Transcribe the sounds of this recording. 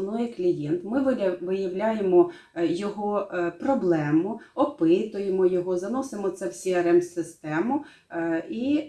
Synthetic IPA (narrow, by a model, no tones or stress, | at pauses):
nɔjɛklʲijɛnt̪mɪʋɪjɐwlʲajemɔ | jɔɦɔprɔblˠɛmʊɔpɪt̪ʊjemɔjɔɦɔzɐnɔsemɔt̪sɛwsʲiɐɾɛmsɪst̪ɛmʊ | i